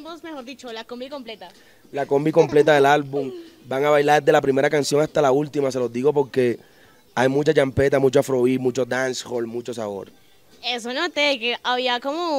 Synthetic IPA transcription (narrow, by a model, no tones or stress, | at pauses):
bosmexoɾðit͡ʃolakombiko̞mplet̪a | lako̞mbiko̞mple̞t̪aðe̞lalβumbaŋaβajlaɾðezd̪e̞lapɾime̞ɾakansjo̞ŋast̪alault̪imas̬e̞lo̞zd̪iɣo̞p̬o̞ɾke̞ | ajmut͡ʃat͡ʃampe̞t̪amut͡ʃoafɾo̞βimut͡ʃod̪ansholmut͡ʃo̞saβo̞̰ɾ | es̬onot̪ekeʔaβiakomo